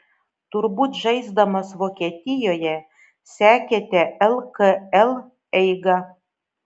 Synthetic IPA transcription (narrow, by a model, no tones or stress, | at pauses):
t̪ʊɾbuːt̪ʒɐɪzd̪ɐmɐsʋokʲet̪ʲɪjoːjɛ | sʲæːkʲet̪ʲeʔɛlˠkəɛlˠ | ɛɪɡɑ